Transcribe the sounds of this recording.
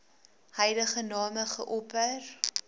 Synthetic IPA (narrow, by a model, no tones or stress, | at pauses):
hɛjləχənɑːməχəʔɔpər